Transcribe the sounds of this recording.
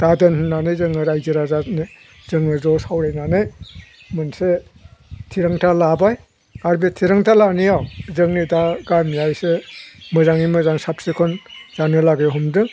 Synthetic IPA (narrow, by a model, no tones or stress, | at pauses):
d̥adɯnhnːanɯjzɯŋɯɾajziɾazat̚ni | zɯŋɯzɔsawɾajnanɯj | mɯnse | tʰiɾaŋtʰalabaj | aɾbetʰiɾaŋtʰalanijawzɯŋnidaɡamijajsemɯzaŋimɯzaŋsap̚sekʰɔnzanɯlaɡeɦumdɯ